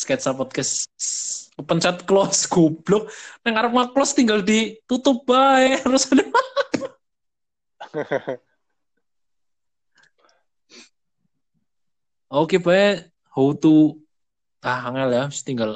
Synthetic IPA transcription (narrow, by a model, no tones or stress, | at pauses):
skɛt̪sapɔd̪̚kɛs | pəɲt͡ʃat̪̚klɔsɡ̥ub̥lʊk̚nɛŋaɾəp̚ŋaklɔst̪iŋɡald̪it̪ut̪ʊp̚b̥aeɾʊsadəma | okeb̥ae | hout̪u | aaŋɛljast̪iŋɡal